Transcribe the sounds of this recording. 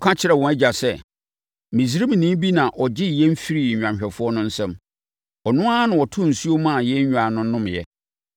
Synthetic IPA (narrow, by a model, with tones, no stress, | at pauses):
kʰã˦t͡ɕʰɪ˦ɾɛ˨wɔ̃˨ɛ˦d͡ʑa˨sɛ˦ | mĩ˨si˦ɾi˦m̃˨nĩ˦m˦bi˦nã˨ʔɔ˨d͡ʑɪ˦˨jɛ̃˦m̩˦fi˦ɾi˨ã˨mɕᶣɛ˨fʊ˦ɔ˦nʊ̃˦n̩˦sɛ̃˦m | ɔ˨nʊ̃˦a˦nʊ̃˨ɔ˨tʰʊ̃˦˨n̩˨su˦o˦mã˦˨jɛ˦ɲ˦ɲᶣ˨a˨nʊ̃˦nʊ̃˦m˨jɛ̰˦